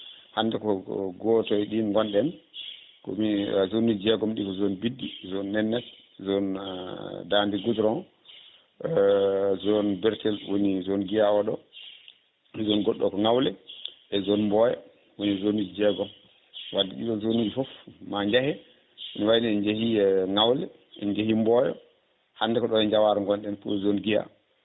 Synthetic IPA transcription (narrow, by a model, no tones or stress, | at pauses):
handɛkɔɡɔtɔjɗinŋɡɔnɗɛn | kɔ̰mizonud͡ʒd͡ʒɛɡɔmɗikɔzonbidːizɔnːɛnːɛt | zɔn | dandiɡudɾɔn | zɔnbɛɾtɛlwonizɔnɡijawaɗɔ | ɛzɔnɡɔɗːɔkɔŋawlɛʔɛzɔnmbɔjɛ̰ | wonizonid͡ʒid͡ʒɛɡɔ | wadikḭɗɔzonid͡ʒifɔfmaɲd͡ʒahɛ | inwajniɛd͡ʒahiɛŋawlɛ | ɛ̰nd͡ʒahimbɔjɔ̰ | handɛkɔɗɔnɛɲd͡ʒawaɾŋɡɔnɗɛnfṵzonɡija̰